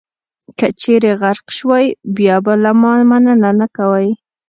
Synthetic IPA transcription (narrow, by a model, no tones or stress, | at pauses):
kat͡ʃeɾeɣaɾqʃwajbjɑbalamɑmanananakawaj